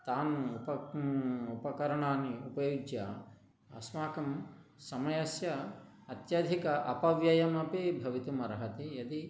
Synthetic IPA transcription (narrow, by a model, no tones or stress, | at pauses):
t̪aːnuupɐ | upɐkɐɾɐɳaːniupɐjuɡjɐ | ɐsmaːkɐmsɐmɐjɐsjɐ | ɐt̪jɐd̪ʱikɐʔɐpɐʋjɐjɐmɐpibʱɐʋit̪umɐɾɐɦɐt̪ijɐd̪i